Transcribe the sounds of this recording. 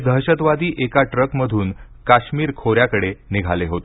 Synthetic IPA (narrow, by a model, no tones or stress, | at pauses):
d̪ʱəɦɕət̪ʋad̪iːʔekaʈɾəkməd̪ʱuːn | kaɕmiːɾkʰoɾjakəɽeniɡʱaleɦot̪